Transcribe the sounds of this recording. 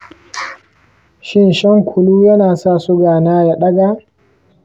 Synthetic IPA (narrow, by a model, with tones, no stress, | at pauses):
ʃɪ˦nʃɐ˦ŋkʷʰʊ˨luː˦jɐ˦naː˨sa˦˨sʊ˦ɡaː˨naː˦ja˨ɗɐ˦ɡaː˨